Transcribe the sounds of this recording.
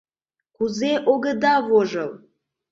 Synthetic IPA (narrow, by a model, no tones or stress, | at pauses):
kʷʰuzeʔoɡəd̪avoʐəw